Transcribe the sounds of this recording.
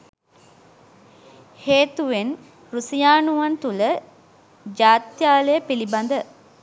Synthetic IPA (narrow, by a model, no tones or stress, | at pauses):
heːt̪uʋen | rusijaːnuʋant̪ulə | d͡ʒaːt̪jaːləjəpiliband̪ə